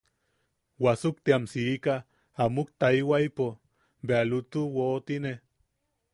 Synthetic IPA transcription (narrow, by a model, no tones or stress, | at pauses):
wasuk̚t̪iamsiːka | amuk̚t̪aiwaipo | bealut̪uwoːt̪ine